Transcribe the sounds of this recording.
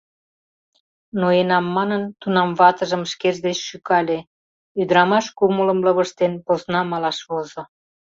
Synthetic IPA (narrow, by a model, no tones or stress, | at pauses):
noenɑmːɑnənt̪unɑmβɑt̪əʒəmʃkeʒd̪et͡ɕʃykɑlʲe | yd̪ɾɑmɑʃkumulə̆mlə̆βə̆ʃt̪enposnɑmɑlɑʃβozŏ